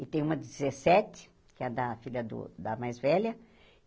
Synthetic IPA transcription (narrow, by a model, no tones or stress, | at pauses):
ɪt̪ẽj̃ũmɐdizesɛt̪ɪ̥ | kɪɛd̪ɐfilʲɐd̪ʊ̰d̪ɐmajzvɛlɐ